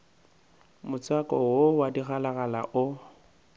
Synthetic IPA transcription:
mʊt͡sʼwakʼɔwowadiɣalaɣala̰ʔʊ

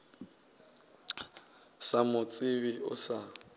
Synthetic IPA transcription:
samʊt͡sʼɪβiʊ̰sa

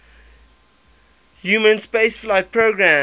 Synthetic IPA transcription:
hjuːmə̃nspesflaɪt̚pʰɹoɡɹæ̃

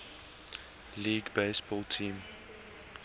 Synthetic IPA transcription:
liːɡbeɪsbɔːlˠtʰĩːm

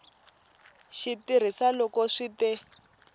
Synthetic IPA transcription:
ʃitiɾ̤isalɔkɔʂitɛ

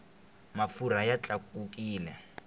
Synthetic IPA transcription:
mafuɾajat͡ɬʼakukiːlɛ

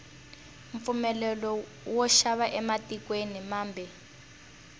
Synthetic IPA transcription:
ɱfumɛlɛlɔ | wɔʃaβaʔɛmatikwenimaːmbʱɛ

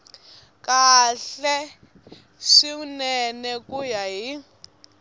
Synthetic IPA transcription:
kʼaɬɛ | ʂiunɛnɛkʼujaɦi

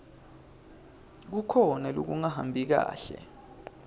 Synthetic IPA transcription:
k̬ukʰɔnalok̬uŋahambʱik̬a̰ːɬɛ̰

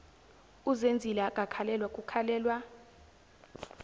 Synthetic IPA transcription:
uzend͡zʱilak̬ʼakʰalɛlwakʼukʰalɛːlwa

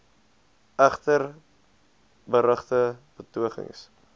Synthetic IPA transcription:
æχtər | bəɾəχtəb̥ətuəχə̰ŋs

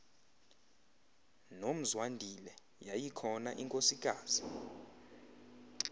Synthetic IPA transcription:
nom̩zwandʱilɛ | jajikʰɔnaʔiŋkʼosikʼaːz̥i

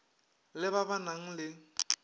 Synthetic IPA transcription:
lɪbabanaŋ̩lɪ

